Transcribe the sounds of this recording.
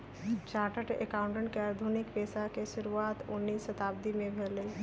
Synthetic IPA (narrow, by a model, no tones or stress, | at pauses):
t͡ʃaːʈəʈḛkaʊ̃ɳʈə̃ɳʈ̚keəɾd̪ʱunɪkpeːsakeʃʊɾuaːt̪ʊnːiːsət̪aːb̚d̪imẽbʱele